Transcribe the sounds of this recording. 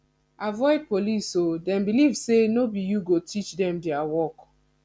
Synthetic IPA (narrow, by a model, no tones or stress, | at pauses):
ʔavɔɪd̚polisodɛ̃nbilivsenobijuɡotʰit͡ʃdɛ̃mdɛawɔk